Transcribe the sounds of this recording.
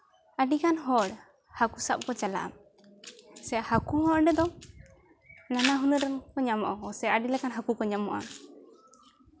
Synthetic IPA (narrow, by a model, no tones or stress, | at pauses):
aɖikanɦɔɽ | hakusap̚kɔt͡ʃala̰ʔa̰m | sɛahakuɦɔɽɖɛd̪ɔ | nanaɦunuɾɛnkɔɲamɔʔɔɔsɛaʔaɖilɛkanɦakukɔɲamɔʔa̰m